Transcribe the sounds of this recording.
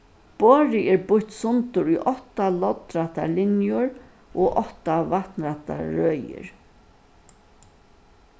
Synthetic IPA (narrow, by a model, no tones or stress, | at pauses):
b̥oːɹɪɛːɹbʊçt̪sʊnt̪ʊɹujʔɔht̪alɔt̪ɾaht̪a̰lɪnjʊɹ | ʔoːʔɔht̪avaht̪nɾaht̪a̰ɹœːjɪ̰ɹ